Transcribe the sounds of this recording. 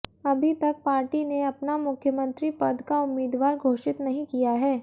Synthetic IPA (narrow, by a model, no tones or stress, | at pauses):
ɐbʱit̪ɐk̚paːɾʈineɐpnamʊkʰjəmə̃nt̪ɾipɐd̪ʱkaʊmːiːd̪ʋaːɾɡʱoːʃɪt̪nɐɦĩkijaɦɛː